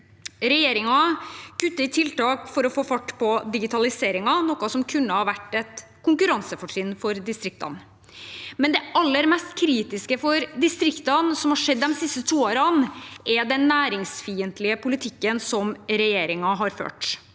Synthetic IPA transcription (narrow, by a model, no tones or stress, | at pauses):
ɾɛjeːɾɪŋɑkʉt̪ːəɪt̪ʰɪlt̪ɑːkfɔɾɔfoːfɑʈːpʰɔd̪ɪɡɪt̪ʰɑlɪseːɾɪŋɑnɔkːɑsɔmkʰʉnːəhɑɾʋæʈːɛt̪ | kʰʊŋkʉɾɑnsəfɔʂɪnfɔɾd̪ɪst̪ɾɪk̚t̪ɑ̰n | mɛnd̪ɛʔɑlːəɾmɛst̪kʰɾiːt̪ɪskəfɔɾd̪ɪst̪ɾɪkt̪ɑnsɔmhɑʂɛd̪ːɛmsɪst̪ət̪ʰuːoːɾɑnʔɛd̪ɛnːæːɾɪŋsfiːənt̪lɪəpʰʊlɪt̪ʰɪkːənsɔmɾɛjeːɾɪŋɑɦɑɾfø̰ːʈ